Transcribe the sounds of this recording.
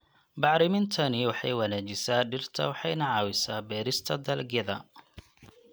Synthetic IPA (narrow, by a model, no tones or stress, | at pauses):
bɑʕɾɪmɪnt̪ʰɐnɪwɑħɑ̰jwɐnaːt͡ʃɪsaːɖɪrt̪ʰɐ̰wɑħɑjnɐʕɑːwɪsaːbɛːɾɪst̪ʰɐd̪ɐlɡɛðɐ